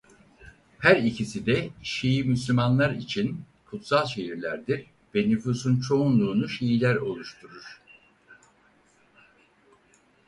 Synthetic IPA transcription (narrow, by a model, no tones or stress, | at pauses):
hæɾicʰisid̪ɛʃejimyslʲymanlˠaɾit͡ʃʰin | kʰut̪salˠʃe̞ɦiɾlʲæɾd̪iɾ | vɛnyfuːsunt͡ʃʰo̞unlˠuːnuʃejilʲæɾo̞lˠuʃt̪ʰuɾuɾ̥